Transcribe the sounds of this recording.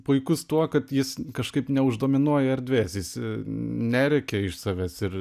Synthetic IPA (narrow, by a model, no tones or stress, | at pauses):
pʊɪkʊst̪uɔkɐt̪jɪskɐʃkɐɪpnʲɛʊʒd̪oːmʲɪnuɔjɛɐɾʲd̪ʲʋʲeːsjɪs | nʲæːɾʲɛkʲɛɪʃsɑːʋʲæːsɪɾ